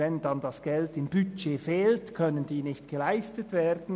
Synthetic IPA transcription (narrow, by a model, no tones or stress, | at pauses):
ɛndɑndɑsɡ̥ɛltɪmbyt͡ʃeːfeːltkʰœnəndiːnɪçtɡ̥əlaɪstətv̥eːɾdn̩